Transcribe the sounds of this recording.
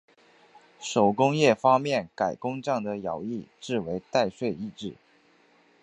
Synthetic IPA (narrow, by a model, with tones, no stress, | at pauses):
ʂo˨˩ʊkʊ˥ŋjɛ˥˩fɑ˥ŋmjɛ˥˩nka˨˩ɪkʊ˥ŋʈ͡ʂɑ˥˩ŋd̪ə˩jɑ˧˥ʊi˥˧ʈ͡ʂɻ̩˥˩we˧˥ɪt̪a˥˧ɪʂwe˥˧ɪi˥˧ʈ͡ʂɻ̩˥˩